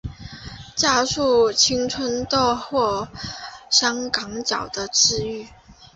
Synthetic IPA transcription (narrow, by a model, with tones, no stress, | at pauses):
t͡ɕja˥˧ʂu˥˩t͡ɕʰi˥ŋt͡sʰwə˥nt̪ɔ˥˧xwɔ˥˩ | ʂɑ˥ŋkɑ˧˥ŋt͡ɕjɑ˨˩ʊd̪ə˦ʈ͡ʂɻ̩˥˧y˥˩